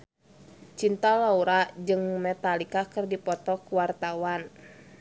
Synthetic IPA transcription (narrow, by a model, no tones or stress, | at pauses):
t͡ʃint̪alauɾad͡ʒɨŋmɛt̪alikakɨrdipɔt̪ɔkuwart̪awan